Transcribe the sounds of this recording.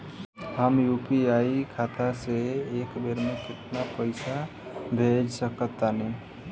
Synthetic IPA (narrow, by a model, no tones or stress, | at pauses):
ɦəmjupiaikʰat̪aseekbeɾmekɪt̪napəɪsa | bʱed͡ʒsəkət̪ːani